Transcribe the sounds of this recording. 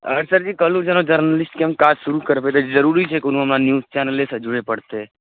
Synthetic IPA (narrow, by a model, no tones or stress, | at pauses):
ə̰ɾsəɾd͡ʒikəlũd͡ʒenod͡ʒəɾnəlɪsʈkemkad͡ʒsuɾukəɾpet̪ed͡ʒd͡ʒəɾuɾit͡ʃʰekun̤ũəmnanjuzt͡ʃɛnəlesəd͡ʒuɾepəɽt̪e